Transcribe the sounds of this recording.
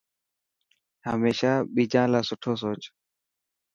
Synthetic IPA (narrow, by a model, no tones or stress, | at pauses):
ɦəmeːʃaːɓiːd͡ʒãːlaːsʊʈʰoːs̬oːt͡ʃ